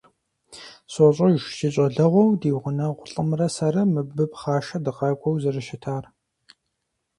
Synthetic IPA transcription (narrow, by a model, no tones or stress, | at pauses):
soɕʼɐɪʃʷsiɕʼɐɮɐʁʷɔwdiːwʁʷʊnɐʁʷʊɬʼɨmrɐsɐɾɐmɨbɨpχaːʃɐdɨqɑːkʷʼɔwzɨrɨʃɪtʰaːr